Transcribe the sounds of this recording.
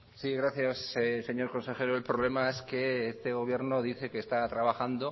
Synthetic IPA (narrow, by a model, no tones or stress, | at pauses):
siɣɾaθjasese̞ɲo̞ɾko̞nse̞xe̞ɾoelpɾo̞βle̞mae̞ske̞est̪e̞ɣ̞o̞β̞je̞ɾno̞ðiθe̞keːst̪at̪ɾaβaxand̪o̞